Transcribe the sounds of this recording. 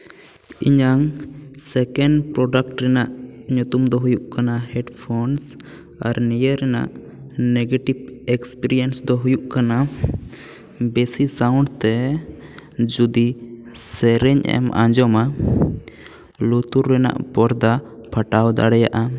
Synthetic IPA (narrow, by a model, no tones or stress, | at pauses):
iɲaŋsɛkɛnɖpɾɔɖakʈɾɛnaʔɲut̪umd̪ɔɦujuʔkanahɛɖpʰɔns | aɾnijəɾɛna̰ʔ | nɛɡeʈibɛkspiɾijɛnsd̪ɔɦujuʔkana | bɛsisawũɳɖt̪ɛ | d͡ʒud̪i | sɛɾɛɲʔɛ̰mʔã̰ɲd͡ʒɔma | lut̪uɾːɛna̰ʔbɔɾd̪apʰaʈawd̪a̰ɽɛja̰ʔa